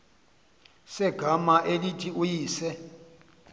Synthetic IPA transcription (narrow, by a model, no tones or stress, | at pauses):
sɛɡ̥ʱamaʔelitʰʼiujiːsɛ